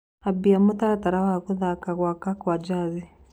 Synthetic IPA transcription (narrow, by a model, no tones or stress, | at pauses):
abiamut̪aɾataɾawaɣuðakaɣwakakwad͡ʒaði